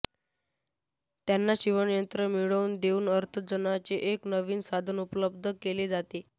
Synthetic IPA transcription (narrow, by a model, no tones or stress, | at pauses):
t̪janːaɕiʋəɳjənt̪ɾəmiɭəuːnd̪euːnəɾt̪ʰəd͡zənat͡seʔeknəʋiːnsad̪ʱənupləb̚d̪ʱəkeled͡zat̪e